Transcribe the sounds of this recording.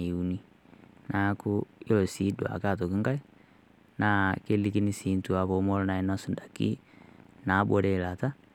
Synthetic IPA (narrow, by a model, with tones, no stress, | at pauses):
i˨u˨ni˦ | na˨˦ku˦jɔ˨si˨˦dɔ˨a̰˨ka˦˨tɔ˨ki˦ŋɡa˦i˦ | na˨ke˦li˦ki˦ni˦siː˨˦ntu˨a˨βɔ˨˦mɔ˦lɔ˦na˨ɛ˨na˦su˨nda˨kḭ˦na˨˦bɔ˨˦ɾɛ˦˨la˨ta˦